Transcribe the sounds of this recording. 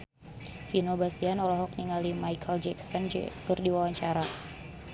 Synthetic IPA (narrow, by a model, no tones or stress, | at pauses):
finobast̪ianɔlɔɦɔk̚niŋalimajkʰəld͡ʒɛksɔnd͡ʒ̰kərdiwawaɲt͡ʃaɾa